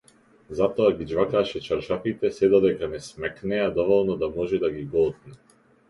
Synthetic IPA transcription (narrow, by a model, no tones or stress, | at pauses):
zat̪ɔaɡid͡ʒvakaʃɛt͡ʃaɾʃafit̪ɛsɛd̪ɔd̪ɛkanɛsmɛknɛad̪ɔvɔlˠnɔd̪amɔʒɛd̪aɡiɡɔt̪nɛ